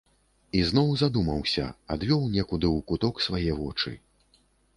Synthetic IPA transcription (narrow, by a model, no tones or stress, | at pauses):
iznɔwzad̪umɐwsʲɐ̰ad̪vʲɔwnʲɛkud̪ɨwkut̪ɔksvajɛvɔt͡ʂɨ̰